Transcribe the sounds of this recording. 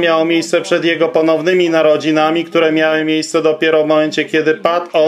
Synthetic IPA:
mʲjawmʲjejst̪sɛpʂɛd̪jɛɡɔpɔnɔvnɘmʲinaɾɔd͡ʑinamʲikt̪uɾɛmʲjawɘmʲjejst̪sɛd̪ɔpʲjɛɾɔvmɔmɛnt͡ɕɛkʲɛd̪ɘpat̪ɔ

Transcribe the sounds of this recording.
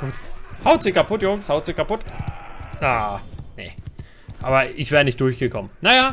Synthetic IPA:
ɡ̥uːthaʊtz̥ɪkʰapʰʊtjʊŋshaʊtz̥ɪkʰapʊt | nanḛ | ʔaːbɐɪçv̥ɛːɐʁənɪçtd̥ʊɐçɡ̥əkʰɔmənnajaː

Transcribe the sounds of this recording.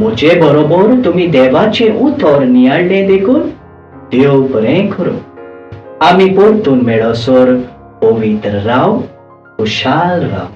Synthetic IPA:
m̤ud͡ʑebəɾobɔɾt̪umid̪ɛʋat͡ɕẽʔut̪ʰɔɾnijaɽlẽd̪ekʰuːn | d̪̥ewpɾẽkʰəɾṵ̃ | amipoɾt̪uːnmɛɭəsɔɾ | pɔʋit̪ɾəɾaw | kuɕalɾa̰w

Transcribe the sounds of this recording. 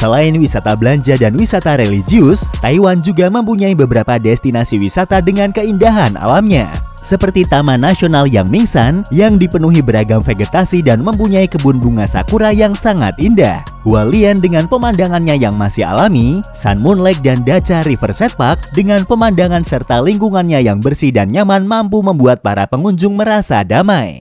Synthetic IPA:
səlaɪnwisat̪abəlaɲd͡ʒadanwisat̪aɾelid͡ʒiʊst̪aiwand͡ʒuɡaməmpuɲaibəbəɾapadɛst̪inasiwisat̪adəŋankəindaɦanʔa̰lamɲa̰ | səpərt̪it̪amanasionalja̰ŋmiŋsanjaŋdipənuɦibəɾaɡamfeɡet̪asidanməmpuɲaikəbunbuŋasa̰kuɾajaŋsaŋa̰t̪inda̰h | uwaliɛndəŋanpəmandaŋanɲajaŋmasiha̰lamisa̰nmunlɛk̚dandat͡ʃaɾifərsɛt̪̚pak̚dəŋanpəmandaŋansərt̪aliŋkuŋanɲajaŋbərsidanɲamanmampuməmbuat̪̚paɾa̰pəŋuɲd͡ʒʊŋməɾasa̰damaj

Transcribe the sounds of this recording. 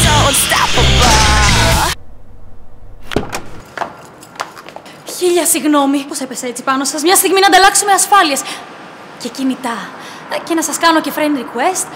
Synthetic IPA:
ost̪afəva | çiʎɐsiɣno̞miposepe̞se̞t͡si̥pɐno̞sɐzmɲɐst̪iɣminɐnd̪ɐlɐksumeɐsfɐlies | ce̞cinit̪ɐ | ce̞nɐsɐskɐnoce̞fɾend̪ɾikwest̪

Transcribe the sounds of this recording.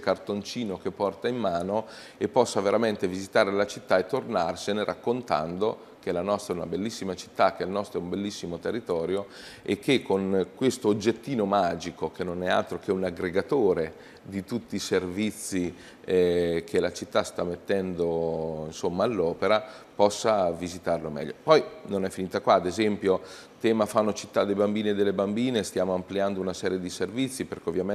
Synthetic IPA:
kart̪ont͡ʃiːnok̟epːɔrt̪aimːaːno | epːɔsːaveɾament̪evizit̪aːɾelat͡ʃit̪ːaet̪ːornarseneɾʔa̰kːont̪a̰nd̪o | kelanɔst̪ɛuna̰belːisːimat͡ʃi̥t̪ːak̟elnɔst̪ɾoɛumbelːisːimot̪erːit̪ɔːɾjo | ekʰːekːoŋkwest̪oːd͡ʒːet̪ːiːnomaːd͡ʒikok̟ʰenːonɛa̰lt̪ɾok̟eunaɡɾeɡat̪oːɾe | d̪it̪ut̪ːiːservit̪sːi | kʰelat͡ʃit̪ːast̪amːet̪ːɛnd̪oinsomːaːlːɔːpeɾapɔsːavizit̪arlomɛ̰ʎːopɔjnonɛfːiniːt̪akwaːd̪ezɛmpjo | t̪ɛːmafanːot͡ʃit̪ːad̪ːejbambiːnied̪ːelːebambiːnest̪jaːmoampliand̪ounasɛːɾjed̪iservit̪sːiperkeovjame

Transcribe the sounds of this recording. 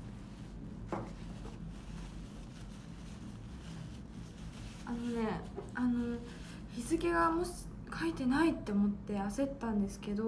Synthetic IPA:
ano̞ne̞ano̞ | çizɨɡʲeɡamos | kʰait̪e̞nait̪ːe̞omo̞t̪ːe̞ase̞t̪ːãnd̪e̞sɨ̥ke̞d̪o

